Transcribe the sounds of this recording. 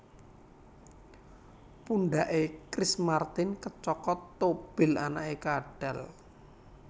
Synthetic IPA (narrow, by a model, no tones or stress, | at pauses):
punɖaʔekɾismart̪ɪnkət͡ʃɔkɔt̪ːob̥ɪ̤lanaʔekaɖ̥ɛ̰l